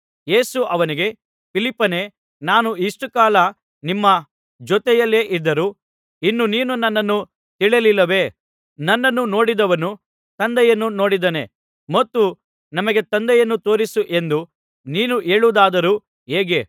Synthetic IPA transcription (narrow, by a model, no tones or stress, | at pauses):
je̞ːsuʔɐʋɐniɡe̞ | pʰilipːɐne̞ | naːnuiʂʈukaːlɐ | nimːɐ | d͡ʒɔt̪ɛjɐlːe̞ːʔid̪ːɐɾu | inːuniːnunːɐnːɐnːu | t̪iɭelilːɐʋe̞ː | nɐnːɐnːuno̞ːɽid̪ɐʋɐnu | t̪ɐnd̪ɛjɐnːuno̞ːɽid̪ɐne̞ | mɐt̪ːu | nɐmɐɡe̞t̪ɐnd̪ɛjɐnːut̪o̞ːɾisuʔe̞nd̪u | niːnuʔe̞ːɭud̪aːd̪ɐɾuː | ɦeːɡe̞